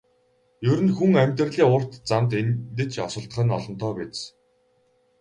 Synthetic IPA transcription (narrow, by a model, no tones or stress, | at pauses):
jɵɾɘ̆nxuŋæmʲt̪ɘ̆rɮiːʊr̥t̪t͡samt̪ent̪ɘ̆t͡ɕʰɔsə̆ɬt̪̆χə̆nɔɮɞ̆nt̪ʰɔːpett͡s